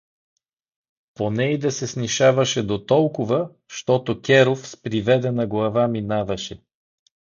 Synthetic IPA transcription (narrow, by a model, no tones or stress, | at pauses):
ponɛid̪ɐsɛsniʃavɐʃɛd̪ot̪ɔlˠkʊvə | ʃt̪ɔt̪okʲɛɾofspɾivɛd̪ɛnɐɡlˠɐvaminavɐʃɛ